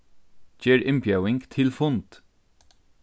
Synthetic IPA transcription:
çeːɹʔɪmpjɑʉɪŋɡt̪ʰɪlfʊnt̪

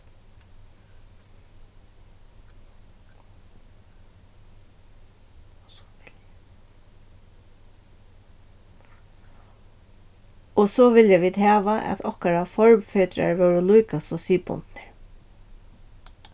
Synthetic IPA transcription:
ɔsɔʋɪljaʋiːd̪hæːʋaʔæ̰t̪ʰɔhkaɾafɔɹmfœːt̪ɾa̰ɹʋœwɹəlujkasɔsiːpʊ̰nt̪nɪɹ

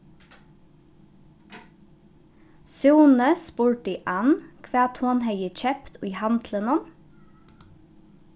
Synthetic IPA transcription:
suːnəspuːɹʈɖiːʔɑnkʰʋæːt̪ʰoːnheɪəc͡çɛpt̪ʉiːhɑnd̪lənɔm

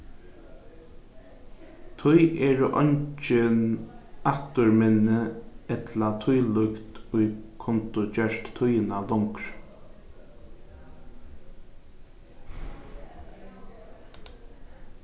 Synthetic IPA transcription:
t̪ʰʊjʔɛːɹʔɔ̰ɲt͡ʃɪnakt̪ʊɹmɪnːəɛt̪lat̪ʰʊjlʏkt̪ʊjkʰɔnt̪ʊt͡ʃœɹt̪t̪ʰʊjnalɔŋkɾ

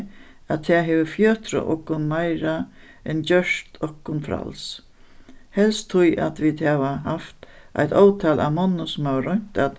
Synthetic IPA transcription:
at̪ʰːɛːɦɛːʋəfjøːt̪ɾə̰ʔɔ̰hkːʊnmajɾa | ɛnt͡ɕœʂt̪ʰɔhkʊnfɾa̰ls | hɛlst̪ʰːʊja̰t̪ʋiːd̪haʋaɦaft̪ | ʔa̰jt̪ɔːwt̪ʰaːlʔa̰wmɔnːʊsʊmavɾɔɲ̥t̪at̪

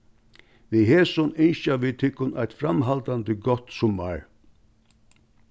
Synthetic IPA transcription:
viɦɛːsʊnɪnʃavit̪ʰɪhkːʊnajt̪fɾamɦalt̪ant̪əɡɔt̪sʊmːa̰ɹ

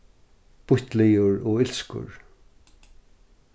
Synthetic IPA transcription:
b̥ʊht̪lɪjʊɹɔɪlskʊ̰ɹ

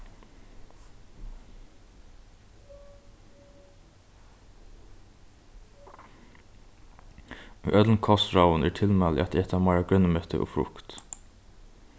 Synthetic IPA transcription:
yʔœt̪lnkʰɔsɹaʊənɛːɹʈʰɪlmɛːlɪ̰ʔa̰t̪ɛːt̪ʰamæɪɹaɡɹœnːəmœt̪ʰə̰ʔo̰ːfɹʊ̰kt̪

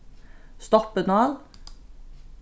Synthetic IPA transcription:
st̪ɔpənɑːl

